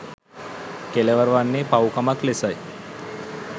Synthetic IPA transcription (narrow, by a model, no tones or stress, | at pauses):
keleʋəɾʋanːepawkamaklesaj